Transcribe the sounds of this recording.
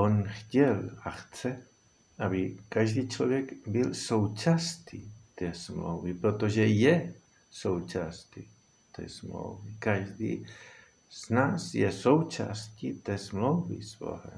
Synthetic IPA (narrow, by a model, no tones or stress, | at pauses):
ʔonxcɛlaxt͡sɛ | ʔabɪkaʒd̪iːt͡ʃlovjɛkbɪlsowt͡ʃast̪ʰit̪ɛsmlo̰wvipɾot̪oʒɛjɛ | sowt͡ʃast̪i | t̪ɛ̰smlo̰wvikaʒd̪ḭː | z̥naːsjɛsowt͡ʃa̰scit̪ɛsmlowvḭsvo̰ɦɛ̰